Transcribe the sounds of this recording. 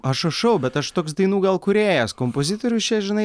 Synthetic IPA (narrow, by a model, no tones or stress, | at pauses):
ɐʃɐʃɐʊbʲɛt̪ɐʃt̪oːksd̪ɐɪnuːɡɐlˠkʊɾʲeːjɛskompozʲɪt̪oɾʲʊst͡ʃʲɛʒʲɪnɐɪ